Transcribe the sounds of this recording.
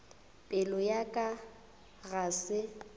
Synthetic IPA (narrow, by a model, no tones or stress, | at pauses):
pʼɪlɔjakʼa | ɣasɪ